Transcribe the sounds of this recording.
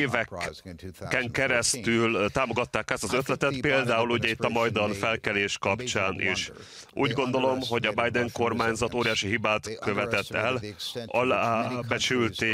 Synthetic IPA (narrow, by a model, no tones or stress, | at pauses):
vɛkː | ɛŋkɛɾɛst̪ylt̪aːmo̞ɡɒt̪ːaːkaːst̪ɒzøt̪lɛt̪ɛt̪peːld̪aːuluɟɛit̪ːɒmɒjd̪ɒnfɛlkɛleːʃkɒpt͡ʃaːnʔḭʃ | ṵːɟɡo̞nd̪o̞lo̞mɦo̞ɟɒbajd̪ɛŋko̞rmaːɲzɒt̪oːɾijaːʃiɦibaːt̪køvɛt̪ɛt̪ːɛlɒlaːbɛt͡ʃylt̪eː